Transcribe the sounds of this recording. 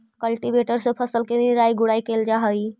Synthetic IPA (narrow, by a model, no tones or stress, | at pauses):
kəlʈibeʈəɾsẽpʰəsəlkeniɾaiɡʊɽaikeld͡ʒaɦəj